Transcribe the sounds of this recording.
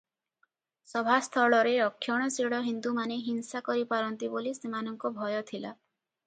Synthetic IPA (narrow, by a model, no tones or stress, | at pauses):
sɔbʱast̪ʰɔɭɔɾeɾɔkʰːjɔɽ̃ɔsiɽɔɦind̪umaneɦinsakɔɾipaɾɔnt̪ibolisemanɔŋkɔbʱɔjɔt̪ʰila